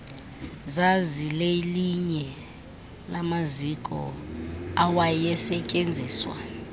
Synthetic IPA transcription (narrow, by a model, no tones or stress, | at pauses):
zazileiliɲɛ | lamazikʼɔ̰ | awajɛsɛcʼend͡zʱiːswa̰